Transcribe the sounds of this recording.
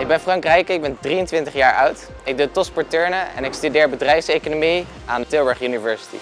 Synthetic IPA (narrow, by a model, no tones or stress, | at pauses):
ɪɡ̚bɛnfrɑŋkrɛjkɪɡ̚bɛndriəntʋɪntəχjaːɹʔʌwt | ɪɡ̚dutɔspɔɹtɛɹnəɛ̰nɪkstydɪːɹbədrɛjfsejkonomi | aːndətɪlˠbəɹχynivɛɹsi̥tḭ